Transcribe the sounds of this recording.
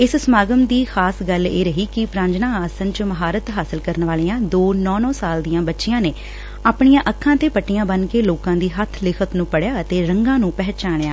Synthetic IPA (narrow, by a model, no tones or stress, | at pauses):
ɪssəmaːɡəmd̪iːxʰaːsɡəlḛːɾəɦiːkɪpɾãːɲd͡ʒnãːaːsənt͡ʃməɦaːɾət̪ɦaːsɪlkəɾnʋaːliːãːd̪oːnɔ̃ːnɔ̃ːsaːld̪ijãːbətːʃɪjãːneː | aːpɳ̃ɪjãːʔəkʰːãːt̪eːpəʈːɪjãːbənkeːloːkãːd̪iːɦət̪ʰlɪkʰət̪nũːpəɽjaːət̪eːɾəŋɡãːnũːpɛɦt͡ʃaːɳ̃jaː